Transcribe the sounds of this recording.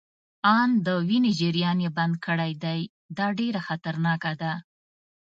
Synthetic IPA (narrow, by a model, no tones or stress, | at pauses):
ɑnd̪əwined͡ʒɪɾijɑnjeband̪̚kəɽajd̪aj | d̪ɑɖeɾaxat̪aɾnɑkad̪a